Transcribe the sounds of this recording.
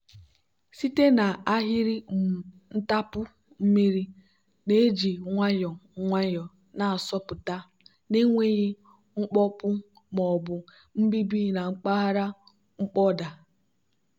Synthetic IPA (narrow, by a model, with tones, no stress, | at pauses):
si˦te˦na˨a˦ɦɪ˦ɾi˦˨ | n̩˦ta˦pʊ˦ | m̩˦mi˦ɾi˦ | ne˨˦d͡ʒi˨ŋʷa˦jɔ˨ŋʷa˦jɔ˨ | na˨a˨sɔ˦pʊ˨ta˦ | ne˦ŋʷe˦ɣi˦ | ŋ͡m̩˦k͡pɔ˦pʊ˦ | mɔ˨bʊ˨ | m̩˦bi˦bi˦na˨ŋ͡m̩˦k͡pa˦a˦ɾa˦ | ŋ͡m̩˦k͡pɔ˦da˨